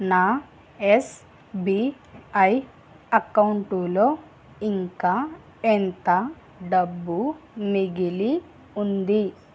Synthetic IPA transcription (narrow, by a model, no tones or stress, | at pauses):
naː | es | bi | ɐj | ɐkɐwuɳʈuloː | iŋkaː | ent̪ɐ | ɖɐbːumiɡili | und̪i